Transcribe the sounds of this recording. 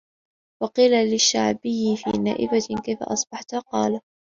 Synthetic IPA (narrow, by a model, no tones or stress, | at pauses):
wɑqiːlalɪʃːa̰ʕbɪjːɪfḭːna̰ːʔɪbakajfa̰ʔɑsˤb̥ɑħt̪aqɑ̰ːla